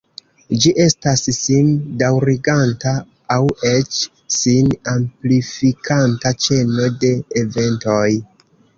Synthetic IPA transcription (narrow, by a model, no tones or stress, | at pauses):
d͡ʒiʔe̞stassindawɾiɡantaː | we̞t͡ʃ | sinamplifikʰantat͡ʃe̞no̞de̞ːve̞nto̞j